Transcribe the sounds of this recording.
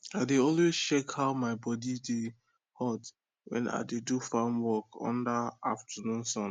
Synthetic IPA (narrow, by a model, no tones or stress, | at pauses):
aɪdeɔlwez̥t͡ʃɛkhaʊmaɪbɔdide | hɔt | wɛ̰̃na̰ɪdedufãnwɔkɔ̰̃ndəaftʰənũnsɔ̃n